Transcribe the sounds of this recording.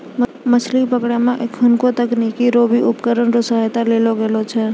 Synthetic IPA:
məsʰlipəkɽemẽʔkʊnkot̪əknikiɾoːbiʊpkəɾənɾʊsaːjt̪aleːloɡelot͡ʃʰɛː

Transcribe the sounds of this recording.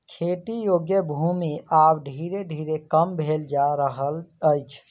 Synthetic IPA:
kʰeʈijoɡjəbʱumiabɖʱiɾeɖʱiɾekəmbʱeld͡ʒaɾəɦələjt͡ʃʰ

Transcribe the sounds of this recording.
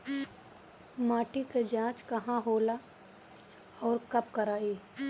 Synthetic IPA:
maːʈiked͡ʒãːt͡ʃkɐɦãɦoːla | ɔːɾkɐpkɐɾaːiː

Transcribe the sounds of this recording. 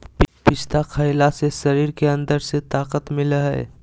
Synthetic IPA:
ppɪst̪akʰəɪlasesəɾiːɾkeə̃nd̪əɾset̪aːqət̪mɪlɦɛ̰ː

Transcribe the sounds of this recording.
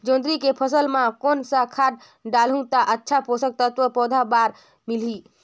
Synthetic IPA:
d͡ʒõːnd̪ɾikepʰəsəlmãkonsakʰaʈ̚ | ɖalɦũt̪aʔətːʃʰaposək̚t̪ət̪ʋəpɔːd̪ʱabaɾ | mili

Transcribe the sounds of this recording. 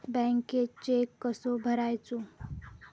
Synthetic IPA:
bɛŋkːet͡ʃekːʌsobʱəɾajt͡sʰu

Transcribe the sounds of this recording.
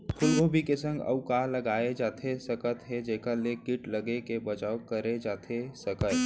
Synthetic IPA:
pʰʊlɦõbʱikesə̃ŋɡɐ̰ʊkaːlɐɡaːed͡ʒaːt̪ʰesɐkət̪ɦɛd͡ʒeːkəlekɪʈlɐɡekebɐt͡ʃaːwkɐɾed͡ʒaːt̪ʰesɐkə

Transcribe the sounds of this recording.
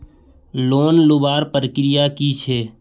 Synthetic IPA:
loːnlʊbaːɾpəɾkɾɪjakit͡ʃʰɛː

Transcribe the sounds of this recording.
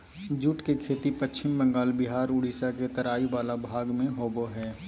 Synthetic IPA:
d͡ʒʊʈkekʰeːt̪ipət͡ʃːt͡ʃɪmbə̃ŋɡaːlbɪɦaːɾʊɽ̤iːsaket̪ɐɾaːiʋaːlabʱaːɡmẽɦoːboɦɛː

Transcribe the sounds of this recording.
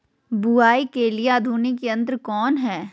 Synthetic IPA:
buaːikelieaːd̪ʱuːnikeɐ̃nt̪ɾkɔːnɦɛː

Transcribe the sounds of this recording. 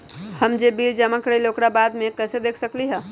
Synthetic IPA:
həmd͡ʒebild͡ʒəməkɾeloːkɽabad̪mẽkɛːsed̪ekʰsəkliɦɛ

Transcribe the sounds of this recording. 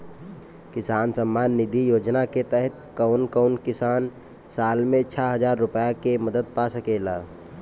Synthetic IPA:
kɪsaːnsəmːaːnːid̪ʱijoːd͡ʒnaket̪ɛɦɛt̪̚kəʊnkəʊnkɪsaːn | saːlmẽt͡ʃʰaɦəd͡ʒaːɾːʊpəjakeməd̪əd̪̚pasəkela̰

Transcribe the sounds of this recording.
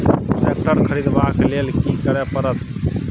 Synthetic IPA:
ɾeːk̚ʈəɾkʰəɾiːd̪ʋãːkleːlkikəɾɛpəɾət̪

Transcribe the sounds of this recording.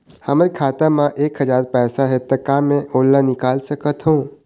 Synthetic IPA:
həməɾikʰaːt̪amãʔeːkɦəd͡ʒaːɾpɛːsaɦet̪ːakaːmẽʔoːlːanɪkaːlsəkət̪ɦũ

